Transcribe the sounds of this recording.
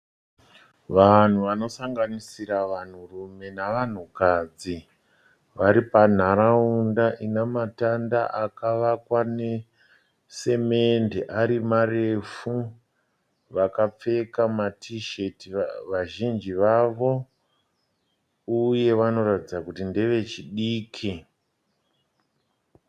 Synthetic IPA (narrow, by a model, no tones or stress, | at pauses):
ʋan̤uʋano̞saŋɡanisiɾaʋan̤urume̞naʋan̤ukaːd͡zi | ʋaɾipan̤aɾaundaʔinamatanda̰ʔakaʋakwane | se̞mendeʔaɾimare̞fu | ʋakap͡fe̞kamatʰiʃetiʋaʒind͡ʒiʋaʋo̞ | uje̞ʋano̞ɾatid͡zakutindeʋe̞t͡ʃiɗiːkʰi